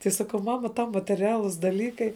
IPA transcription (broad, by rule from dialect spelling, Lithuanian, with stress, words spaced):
tɐɪ ˈsɑːkɐʊ ˈmɑːmɐ tɐʊ mɐtʲɛˈrʲæːlˠʊs dɐˈlʲiːkɐɪ